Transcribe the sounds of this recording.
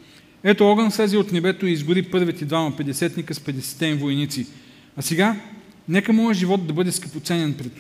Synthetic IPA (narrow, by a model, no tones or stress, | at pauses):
ɛt̪oɔɡənslɛziot̪nɛbɛt̪oiːzɡʊɾipɤɾvit̪ɛd̪vamɐpɛd̪ɛsɛt̪nikəspɛd̪ɛsɛ̥t̪ɛmivojnit̪si | ɐsɛɡa | nɛkəmɔɛʒivɔt̪̚d̪ɐbɤd̪ɛskəpot̪sɛnɛnpɾɛt̪